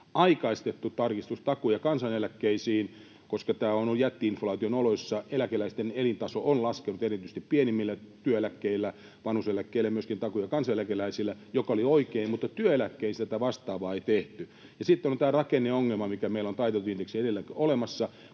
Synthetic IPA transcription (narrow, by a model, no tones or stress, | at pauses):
ɑikɑist̪et̪ːut̪ɑrkist̪ust̪ɑkujɑkɑnsɑnelækːeisiːn | koskɑt̪æːonojæt̪ːiinflɑːt̪ionolosːɑelækelæist̪enelint̪ɑsoonlɑskenut̪erit̪yst̪ippienimːilːæt̪yøelækːeilːæ | ʋɑnhuselækːeilæjmyøskint̪ɑkujɑkɑnsɑelækelæisilːˑæjokɑolioikeimmut̪ːɑt̪yøelækːeist̪æt̪æʋɑst̪ɑːʋɑːeit̪eht̪y | jɑsit̪ːenont̪æːrɑkenːeoŋːelmɑmikæmeilont̪ɑit̪elt̪ind̥̪eksiedelːækolemɑsːɑ